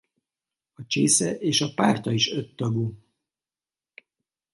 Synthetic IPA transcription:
ɒt͡ʃeːsɛʔeːʃɒpaːrt̪ɒiʃøt̪ːɒɡu

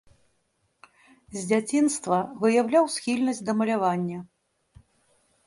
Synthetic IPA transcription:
zʲd͡zʲat͡sʲinst̪vɐvɨjawlʲawsʲxʲilʲnɐsʲd̪ɐmɐlʲavanʲːɐ

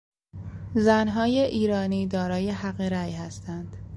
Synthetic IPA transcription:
zænɦɒːjeʔiːɾɒːniːd̪ɒːɾɒːjehæɣeɾæjhæst̪ʰænd̪̥

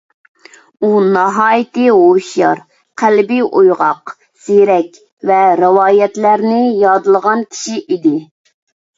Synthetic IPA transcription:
unɑɦɑːjit̪ɨɦoʃjɑɾ | qʰælbijʔojʁɑq | z̥eɾɛkʲ | vɛɾɨwɑːjɛt̪læɾnɪjɑd̪ɨlˠʁɑnkʲʰi̥ʃiʔid̪ɪ

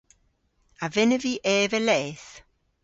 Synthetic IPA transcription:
avɪnəviʔɛːvəlɛːθ

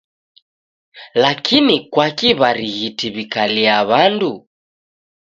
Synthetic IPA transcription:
lakʰinikwakiβaɾiɣitiβikaliaβandu

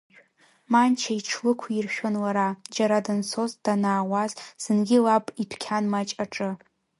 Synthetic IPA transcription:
mant͡ʃʰaiʈ͡ʂʰlɨkʷʰirʃᶣanlaɾad͡ʒaɾadɨnsozd̥anaːwazz̥ɨnɡʲɪlapʼipʰkʲʰanmat͡ʃʼaʈ͡ʂʼɨ

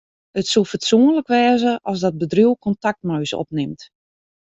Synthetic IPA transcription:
ətsulˠfətsuənləkʋɛːzəʔɔsdɔt̚bədruwkɔntak̚tmœɥsɔ̰p̚nɪmt

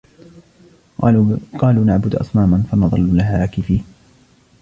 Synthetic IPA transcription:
qɑːluːnaʕbʊd̪ʔɑ̰sˤmaːmanfanɑðˤɑlːlaɦakɪfiːh

